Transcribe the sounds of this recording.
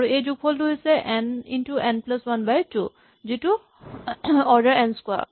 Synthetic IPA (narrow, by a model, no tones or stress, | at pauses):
aɹuejzuɡ̚pʰɔlduɦisɛʔɛnintuʔɛnplaswanbajtu | zitu | ɔɹdəɹɛnskwa̰ɹ